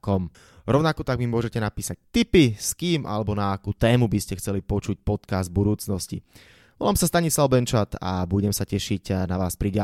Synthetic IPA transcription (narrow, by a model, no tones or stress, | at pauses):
kɔm | ɾɔʊnakɔt̪aɡmimʊɔʒɛcɛnapiːsac̚t̪ipiskiːmʔa̰lɛbɔnaːkuːt̪ɛːmubiscɛxt͡sɛlipɔt͡ʃuc̚pɔt̪kazd̪̚bud̪uːt͡snɔscḭ | ʋɔlaːmsast̪aɲislaʊbɛnt͡ʃat̪a̰buɟɛmsacɛʃiɟnaʋaːspɾiɟa